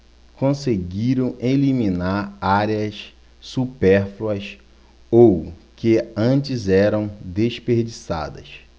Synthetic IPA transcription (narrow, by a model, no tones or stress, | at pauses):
kõseɡiɾɐ̃w̃ʔeliminaɾaɾeɐs | supɛɾfluɐs | owkeɐ̃t͡ʃizɛɾɐ̃w̃d̪eʃpeɾd͡ʒisa̰d̪ɐ̰s